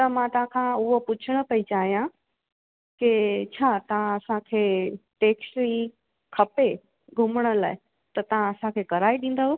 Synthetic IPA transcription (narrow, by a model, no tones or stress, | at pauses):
t̪ɐmãt̪ɐɦãkʰãʊɦopʊt͡ɕʰəɽ̃ə̆pɐit͡ɕaːɦijã | kit͡ɕʰaːt̪ɐʋ̤ãɐsãkʰeːʈeːksʈli | kʰɐpe | ɡʱʊməɽ̃ə̆la̰ːɪ | t̪ɐt̪ɐʋ̤ãɐsãkʰeːkɐɾaːiɗĩːnd̪əɦ